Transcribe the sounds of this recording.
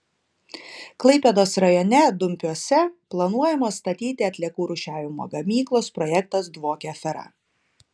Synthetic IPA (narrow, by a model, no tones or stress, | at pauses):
klˠɐɪpʲed̪oːsɾɐjɔnʲɛd̪ʊmʲpʲuɔsʲɛplˠɐnuɔjɛmɐst̪ɐt̪ʲiːt̪ʲɪɐt̪ʲlʲiɛkuːɾʊʃʲæːʋʲɪmo̰ːɡɐmʲiːklˠoːspɾɔjɛkt̪ɐsd̪ʋoːkʲɛfʲɛɾɐ̰